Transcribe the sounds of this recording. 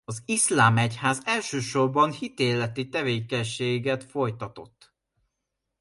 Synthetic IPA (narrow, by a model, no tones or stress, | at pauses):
ɒzislaːmɛchaːzɛlʃøːʃo̞rbɒnhit̪eːlɛt̪it̪ɛveːkɛɲʃeːɡɛt̪fo̞jt̪ɒt̪o̞̰t̪ː